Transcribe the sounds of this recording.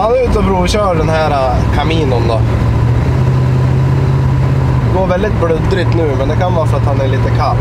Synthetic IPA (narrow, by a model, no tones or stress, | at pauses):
ɑʉːt̪əɔbɾuːɪçəhɑːd̪ɛnhæːɾɑ | kʰɑmiːnɔnd̪ɑ | ɡoːɾʋɛlɪt̪̚bɽʉd̪ːɾʏːt̪ːnəʉːmənd̪ɛkɑnʋɑːɾəfɔɾɑt̪hɑnæɭiːt̪əkʰɑp